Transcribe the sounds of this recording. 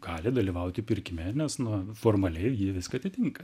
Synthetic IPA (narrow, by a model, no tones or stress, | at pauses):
ɡ̥ɑːlʲɪd̪ɐlʲiːʋɐʊt̪ʲɪpʲɪɾʲkʲɪmʲɛnʲɛsnʊfoːrmɐlʲɛɪjiʋʲɪskɐɐt̪ʲɪt̪ʲɪŋkɐ